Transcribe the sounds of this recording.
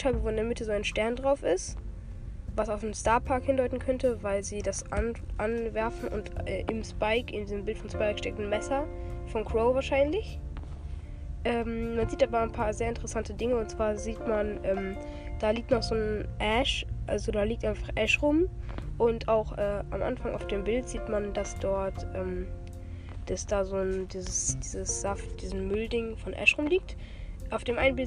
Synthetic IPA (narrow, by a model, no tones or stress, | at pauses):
tʰabəvoːɪndɛɐmɪtʰəzoːaɪnʃtɛɐndʁaʊfɪst | vasaʊfnəmstaɐpʰaɐkhɪndɔʏtn̩kʰœntəvaɪlziːdasʔanʔanvɛɐfn̩ʔʊ̰ntʔɛ̰ːʔɪmspaɪkɪ̰ndizəmbɪltfɔnspaɪkʃtɛk̚tn̩mɛsɐ | fɔnkʰʁ̥oʊvaːɐʃaɪnlɪç | ʔɛːmmanziːtʔaːbɐaɪnpʰaːɐzeːɐɪntəʁəsantədɪŋəʊntt͡sv̥aːɐziːtmanʔɛːm | d̥aːliːk̚tnɔχz̥oːnʔɛʃʔalzodaːliːktʔaɪnfaχʔɛʃʁʊmʔʊntaʊxʔɛːʔa̰mʔa̰nfaŋa̰ʊfd̥eːmbɪltz̥iːtmandasd̥ɔɐtʔɛːm | d̥asd̥aːzoːndiːzəsd̥iːzəsz̥aftd̥iːznmʏldɪŋfɔnʔɛ̰ʃʁʊmliːk̚t | ʔaʊfd̥eːmʔa̰ɪnənbɪl